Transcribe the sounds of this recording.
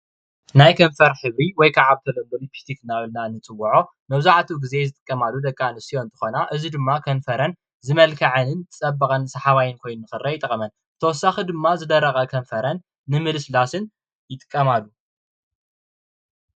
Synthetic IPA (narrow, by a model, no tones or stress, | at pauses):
najkʰɐɱfɐɾħɨβɾiwɔjkʰaʕaβt̪ʰɐlonb̪ɐlut̪ʰɨ̥ħt̪ʰikʰɨnːaβɨlnanɨt͡sʼɨwɐʕo̞ | mɐβzaʕt̪ʰuɡize̞zɨt̪ʼɨ̥kʼːɐmalːud̪ɐkʼːanɨsio̞nt̪ʰɨ̥xonaʔɨzid̪ɨmːakʰɐnfɐɾɐn | zɨmɐlkʰɐʕɨnɨnt̪ʰɨt͡sʼɐbːɐkʼɐnsɐħaβajɪnkʰo̞jnnnɨxɨrːɐjɪt̪ʼɐkʼɐmɐn | ɨt̪ʰɐwɔsːaxid̪ɨmːazɨd̪ɐɾːɐχʼɐkʰɐɱfɐɾɐnː | ɨmɨlɨslasɨn | jɪt̪ʼɨ̥kʼːɐmalːu